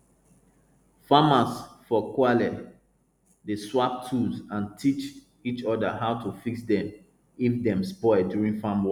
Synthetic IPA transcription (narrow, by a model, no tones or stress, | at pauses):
famasfɔkwalɛt | deswap̚tʰusãntʰit͡ʃ | it͡ʃɔdaɦaʊtʰufiksdɛ̃m | ifdɛ̃mspɔɪdjuɹĩnfamwɔ